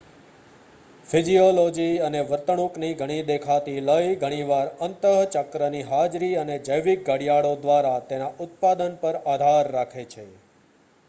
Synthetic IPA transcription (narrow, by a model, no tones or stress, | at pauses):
fɪd͡ʒiolod͡ʒiəneʋəɾt̪əɳũkniɡʱəɽ̃id̪ekʰat̪iləjɡʱəɽ̃iʋaɾənt̪əɦt͡ʃəkɾəniɦad͡ʒɾiəned͡ʒəjʋik̚ɡəɽijaɭod̪ʋaɾat̪enaʔʊt̪̚pad̪ənpəɾad̪ʱaɾːakʰet͡ʃʰe